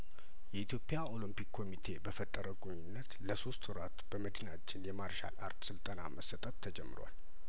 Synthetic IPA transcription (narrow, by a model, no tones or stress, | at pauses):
jɛit̪ʰjo̞pʼɪjao̞lɨmpikʰːo̞mit̪ʰe̞bəfət̪ʼːəɾəɡoɲːɪnːət̪ləso̞st̪ʰʊɾat̪b̥əməd̪ɨnat͡ʃːɪnjɛmaɾʃa̰la̰ɾt̪sɨlt̪ʼəna̰məsət̪ʼət̪ʰːəd͡ʒɛmːɨɾwa̰l